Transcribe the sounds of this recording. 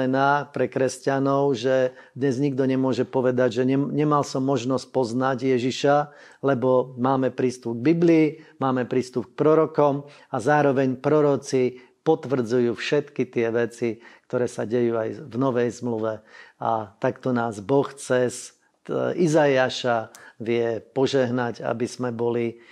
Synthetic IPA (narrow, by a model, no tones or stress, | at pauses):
ɛnaːpɾɛkɾɛscanɔʊʒɛ | d̪ɲɛzɲiɡd̪ɔɲɛmʊɔʒɛpɔʋɛd̪aɟʒɛɲɛɲɛmalsɔmːɔʒnɔsc̚pɔznaɟjɛʒiʃa | lɛbɔmaːmɛpɾiːst̪up̚ɡ̚bibliːmaːmɛpɾiːst̪upk̚pɾɔɾɔkɔm | azaːɾɔʋɛɲpɾɔɾɔt͡si | pɔt̪ʋr̩d͡zujuːfʃɛt̪kit̪ɪɛʋɛt͡sikt̪ɔɾɛːsaɟɛjuːajvnɔʋɛjzmluʋɛa̰t̪akt̪ɔnaːzbɔxt͡sɛs | izajiaʃaʋɪɛpɔʒɛɦnaɟa̰biz̥mɛbɔli